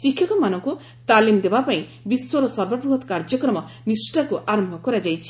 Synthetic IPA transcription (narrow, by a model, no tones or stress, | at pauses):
sikʰjɔkɔmanɔŋku | t̪alimd̪ebapaĩ | biswɔɾɔsɔɾbɔbɾuɦɔt̪kaɾd͡ʒɔkɾɔmɔ | nisʈɔkuʔaɾɔmbʱɔkɔɾad͡ʒajt͡ʃʰi̥